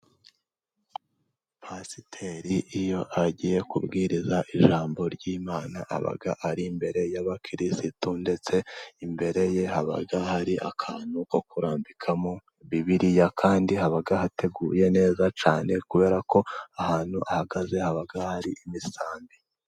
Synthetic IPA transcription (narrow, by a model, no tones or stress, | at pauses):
pʰasitʰeɾiʔijo̞ʔaɟije̞kubɡiːɾizaʔiʒaːmbo̞ɾɟiːmaːnaʔa̰βa̰ɡaʔaɾimbe̞ɾe̞jaβakʰiɾisitonde̞t͡se̞imbe̞ɾe̞je̞haβa̰ɡahaɾiʔa̰kʰaːn̥huko̞kuɾaːmbikʰamo | βiβiɾijakʰaːndihaβaɡahate̞ɡuːje̞ne̞ːzat͡ʃaːne̞kuβe̞ːɾako̞ahaːn̥huʔahaɡaze̞haβaɡahaɾiʔimisaːmbi